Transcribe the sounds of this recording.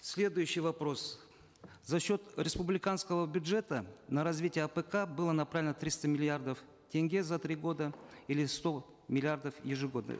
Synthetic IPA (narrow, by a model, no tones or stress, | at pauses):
sʲlʲe̞d̪ʊjʉɕːɪjvɐpɾo̞s | zɐɕːo̞t̪ɾʲɪspʊblʲɪkanskəvəbʲʊdʐɛt̪ənəɾɐzvʲitʲɪjəɐpəkabɨlˠənɐpɾavʲlʲɪnət̪ɾʲist̪əmʲɪlʲɪard̪əf | tʲeŋʲɡʲezɐt̪ɾʲiɡo̞d̪əilʲɪst̪o̞ | mʲɪlʲɪard̪əfjɪʐɨɡo̞d̪nə̰